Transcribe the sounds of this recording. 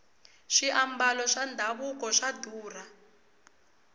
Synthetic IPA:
ʃiʔambalɔʃandʱaβukɔʂaduːra

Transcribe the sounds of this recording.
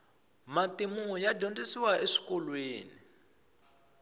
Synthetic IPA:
matimuɔjadʱondisiwaeʂi̥kɔlweːni

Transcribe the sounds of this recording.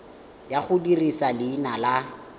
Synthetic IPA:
jaχʊdirisalɪːnala

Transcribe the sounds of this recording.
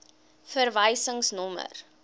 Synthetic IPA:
fərvəjsəŋsnɔmə̰r

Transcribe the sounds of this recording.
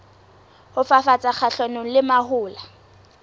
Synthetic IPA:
hʊfafat͡sʼak͡xʰaɬonʊŋ̩lɪmahʊːla

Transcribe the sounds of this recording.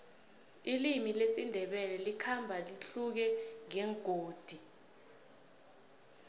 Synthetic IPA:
ilimilesindʱɛɓɛlɛlikʰambʱaliɬuk̬ɛŋɛŋɡ̥ʱoːd̥ʱi

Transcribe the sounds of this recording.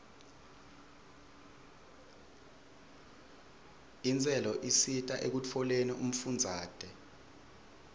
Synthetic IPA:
int͡sʼɛlɔʔisitʼaʔek̬ut͡fʰɔleniʔum̩fund͡zʱaːd̥ʼʱɛ

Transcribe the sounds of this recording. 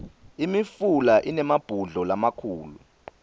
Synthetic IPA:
imifulaʔinɛmab̥ʱuɮɔlamakʰuːlṵ

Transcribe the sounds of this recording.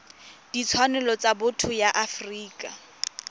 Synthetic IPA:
d̥it͡sʰwanʊlɔt͡sabʊtʰʊjaʔafriːkʼa

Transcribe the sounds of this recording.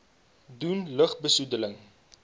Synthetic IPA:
dunləχbəsudələŋ

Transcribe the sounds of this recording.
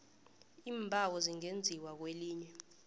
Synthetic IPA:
iːmbʱawɔziŋend͡zʱiwak̬weliːɲɛ

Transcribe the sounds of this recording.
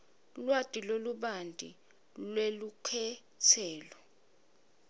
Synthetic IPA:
lwatʼiloluɓandʼʱḭ | lwelukʰɛ | t͡sʰɛːlɔ

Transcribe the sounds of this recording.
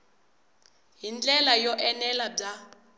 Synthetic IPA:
ɦind͡ɮʼɛlajɔʔɛnɛlab͡ʐa

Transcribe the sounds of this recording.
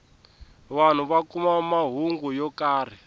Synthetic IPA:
βan̤uβakumamaɦuŋɡujɔkaːr̤i

